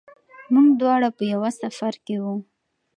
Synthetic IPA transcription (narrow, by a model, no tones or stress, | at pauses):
muɡd̪wɑɽapəjawasafaɾkewu